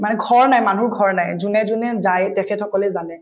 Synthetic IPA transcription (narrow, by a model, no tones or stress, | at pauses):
manɛɡʱɔɹnajmanuɹɡʱɔɹnajzunɛzunɛzajtɛkʰɛtʰɔkɔlɛzanɛ